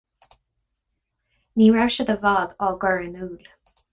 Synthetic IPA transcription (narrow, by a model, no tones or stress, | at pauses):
niːɹaɹʃəd̪əvaːd̪ɔːɡɔɹənuːl